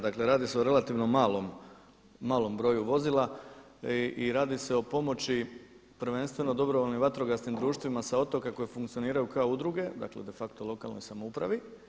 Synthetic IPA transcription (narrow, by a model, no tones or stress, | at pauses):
d̪akle̞ɾaːd̪ise̞oɾe̞lat̪iʋno̞malomː | aːlˠo̞mbɾo̞juʋo̞zilˠa | iɾaːd̪ise̞o̞po̞mo̞t͡ɕi | pɾʋe̞nst̪ʋe̞nod̪o̞bɾoʋoʎniʋat̪ɾo̞ɡasnimd̪ɾuːʃt̪ʋimasao̞t̪o̞kako̞jefuŋkt̪sio̞niːɾajukaoud̪ɾuɡe̞d̪a̰kle̞̰d̪e̞fakt̪olo̞ka̰lˠnojsamoupɾa̰ʋi